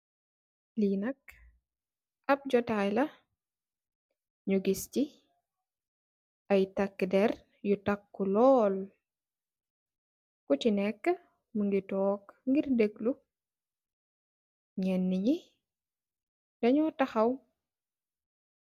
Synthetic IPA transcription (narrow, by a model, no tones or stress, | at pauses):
linɐk | ɐp̚d͡ʒɔtajlɐ | ɲuɡisci | ɐjtɐkːdɛr | jutakːulɔːl | ut͡ʃinɛkːə | muŋɡitɔːkŋɡirdeɡlu | ɲɛnːiɲi | dɐɲɔtaxɐw